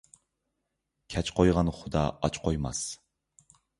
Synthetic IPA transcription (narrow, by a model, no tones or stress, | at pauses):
kʲʰɛt͡ʃqʰojʁɑnχʊd̪ɑɑt͡ʃqʰojmɑ̰s